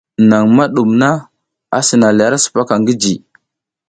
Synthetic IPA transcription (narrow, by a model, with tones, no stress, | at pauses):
na˨ŋma˦ɗu˨mna˦ | a̰˨si˨na˨la˦ɾa˦su̥˨pa˦ka˨ŋɡi˦d͡ʒi˨